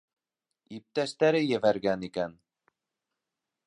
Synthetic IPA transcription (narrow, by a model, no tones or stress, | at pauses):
ip̚t̪æst̪æɾɘjɘ̆væɾɡænikæn